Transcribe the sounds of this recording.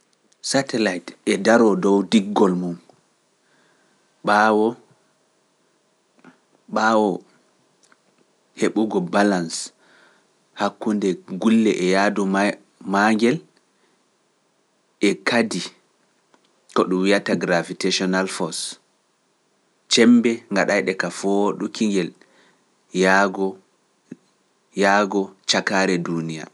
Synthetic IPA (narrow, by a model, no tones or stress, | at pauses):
satɛlajtɛdaɾɔdɔwdiɡːɔlmum | ɓawɔ | ɓawɔ | heɓuɡɔbalans | hakːundɛɡulːɛʔɛjadu | maŋɡɛl | ɛkʰadi | kɔɗumwijataɡɾaviteʃɔnalfɔs | t͡ʃɛmbɛŋɡaɗajɗɛkafɔɗukʰiŋɡɛl | jaɡɔ | jaːɡɔt͡ʃakaɾɛdunija̰